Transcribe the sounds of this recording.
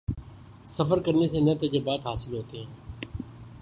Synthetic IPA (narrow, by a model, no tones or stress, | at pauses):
səfəɾkəɾnesenət̪ed͡ʒebaːt̪ɦaːsɪlɦoːt̪eɦɛ̃ː